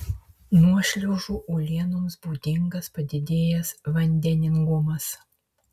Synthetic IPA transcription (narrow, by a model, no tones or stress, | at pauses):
nuɔʃʲlʲɛʊʒuːʔuːlʲiɛnʊmsbɔːd̪ʲɪŋɡɐspɐd̪ʲɪd̪ʲeːjɛsʋɐnʲd̪ʲɛnʲɪŋɡʊmɐs